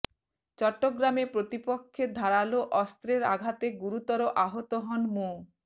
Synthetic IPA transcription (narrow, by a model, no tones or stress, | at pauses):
t͡ɕɔʈːoɡɾamepɾot̪ipokʰːed̪ʱaɾaloʔɔst̪ɾeɾa̰ɡʱat̪eɡuɾut̪ɔɾoʔaɦot̪oɦɔnmo